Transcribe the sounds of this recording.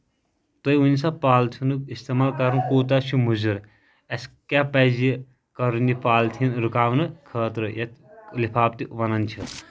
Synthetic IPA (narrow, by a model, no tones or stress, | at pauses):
t̪oiunisɐpaːlt̪ʰunɨist̪emaːlkɐɾɨnkoːt̪̬ɐt͡ʃʰumuzuɾ | ɛskɛpɛzi | kɐɾɨnipaːlt̪ʰinɾukaːʋnɨkʰəːt̪ɾɨjɐt̪lipʰaːb̚t̪iʋɐnɐnt͡ʃʰɨ